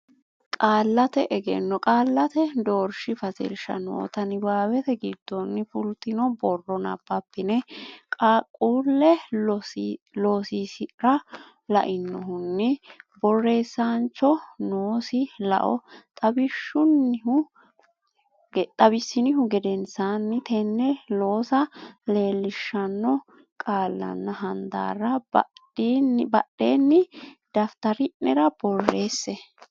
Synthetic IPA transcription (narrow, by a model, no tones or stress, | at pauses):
kʼaːlːɐt̪ɛʔɛɡɛ̰nːɔkʼaːlːɐt̪ɛd̪oːɾʃɪfɐsɛ̰lʃɐ̰nɔ̰ːt̪ɐnɪbaːwɛt̪ɛɡɪd̪̥ːɔnːɪfʊlt̪ːɪnɔbɔrːɔnɐ̰bːɐpːɪnɛkʼakʼuːlːɛ | loːsiːsɪɾɐ | lɐ̰ʔɪnːɔhʊnːɪbɔrːe̞ːsːaːnt͡ʃːɔnoːsɪlɐ̰ʔɔ̰t̪ʼɐbɪʃːʊnːɪhʊ | ɡt̪ʼɐbɪsːɪnɪɦʊɡɛd̪ɛnsanːɪt̪ɛnːɛlo̞ːsɐle̞ːlːɪʃːɐnːɔ | kʼaːlːɐ̰nːɐɦɐnd̪a̰ːɾɐbɐ̰ | bɐɗːeːnːɪd̪̥ɐft̪ɐɾɪʔnɛɾɐb̥ɔrːe̞ːsːɛ